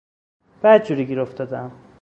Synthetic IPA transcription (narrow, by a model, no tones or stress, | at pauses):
b̥æd̪̚d͡ʒuɾiɡiɾoft̪ɒd̪æm